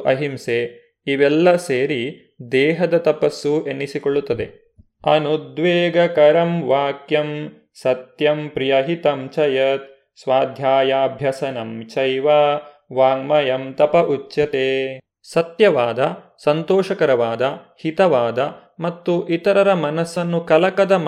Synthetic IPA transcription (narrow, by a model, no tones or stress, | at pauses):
ʔɐɦimse | iʋɛlːɐseːɾi | d̪ɛːɦɐd̪ɐt̪ɐpɐsːuenːisikoɭːut̪ːɐd̪ḛ | ɐnud̪ʋeːɡɐkɐɾɐmʋaːkjɐm | sɐt̪jɐmpɾijɐɦit̪ɐmt͡ʃɐjɐt̪̚ | sʋaːd̪ʱjaːjaːbʱjɐsɐnɐmt͡ʃɐjʋaː | ʋaːɡmɐjɐmt̪ɐpɐʔut͡ʃːjɐt̪eː | sɐt̪jɐʋaːd̪ɐsɐnt̪ɔːʃɐkɐɾɐʋaːd̪ɐhit̪ɐʋaːd̪ɐmɐt̪ːuʔit̪ɐɾɐɾɐmɐnɐsːɐnːukɐlɐkɐd̪ɐm